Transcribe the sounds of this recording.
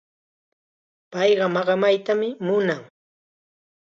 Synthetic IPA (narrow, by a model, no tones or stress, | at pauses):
pɑjɢɑmɑɢɑmajt̪amɪmʊnaŋ